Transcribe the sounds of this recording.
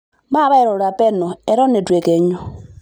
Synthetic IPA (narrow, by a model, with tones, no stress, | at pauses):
ma˦βa˦ɛ˨ɾɔ˨ɾa˨pɛ˦nɔ˨ɛ˨ɾɔ˦ne˨dwe˨kɛ˨ɲɔ˦